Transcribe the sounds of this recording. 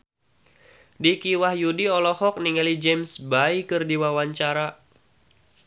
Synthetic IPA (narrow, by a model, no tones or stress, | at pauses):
dikiwahjudiɔlɔhɔk̚niŋalid͡ʒɛmsbaikɨrdiwawaɲt͡ʃaɾa